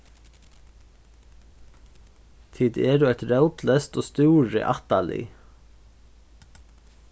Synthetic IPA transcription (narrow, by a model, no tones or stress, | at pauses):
t̪ʰiːd̪eːd̪uːɛt̪ɾɑʊt̪ləst̪oːst̪uːɹə̰ʔɑt̪ɑlʔɪ̰